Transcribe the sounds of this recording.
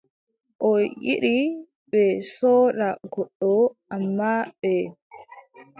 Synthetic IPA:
ʔɔjʔiɗi | bɛsoːɗaɡɔɗːɔʔamːabɛ

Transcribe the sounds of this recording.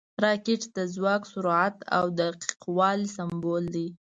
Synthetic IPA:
ɾɑkeʈd̪əzwɑksʊɾuʕat̪a̰wd̪aqi̥qwɑlsambold̪i

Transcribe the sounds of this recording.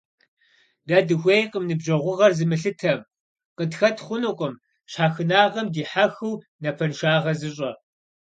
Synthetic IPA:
daːdɨxʷejqʼəmnɨbʑɐʁʷʊʁɐrzɨmɨɬɨtʰɐm | qətxɐtʰχʷʊnɨqʼəm | ɕħaːxɨnaːʁɐmdiːħaxɨw | nɐpʰɐnʃaːʁɐzɨɕʼɐ

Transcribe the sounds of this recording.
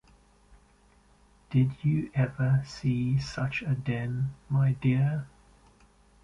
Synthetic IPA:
d̥ɪdəʔɛvəsiːsʌt͡ʃədɛ̃nmaɪdɪə

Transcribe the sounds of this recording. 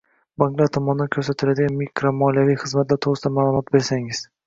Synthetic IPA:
baŋɡlˠat̪ʰɒmɒnd̪ankʲʰɵɾsat̪ʰɪlad̪ɪɡʲanmikʰɾomɒlijavijχɨzmat̪laɾt̪ʰoʁɾɨsɪd̪amaːlˠʊmɒt̪be̞ɾsaŋɪz̥

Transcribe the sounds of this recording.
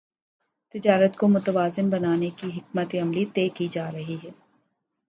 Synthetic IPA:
t̪ɪd͡ʒaːɾət̪komʊt̪əʋaːzɪnbɐnaːnekiɦɪk̚mət̪eɐmlit̪eːkid͡ʒaːɾɐɦiɦɛː

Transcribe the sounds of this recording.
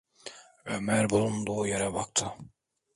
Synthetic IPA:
ømæɾbulˠund̪uːjaɾabak̚t̪ʰɯ

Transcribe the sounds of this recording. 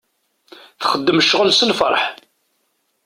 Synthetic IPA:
θχəd̪ːəmʃʁəlsəlfə̰ɾˤħ

